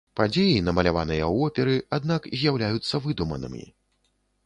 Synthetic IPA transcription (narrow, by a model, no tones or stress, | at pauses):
pad͡zʲejinɐmɐlʲavanɨjɐwɔpʲɛɾɨad̪nakzʲjawlʲajut̪sːɐvɨd̪umɐ̰nɨ̰mʲḭ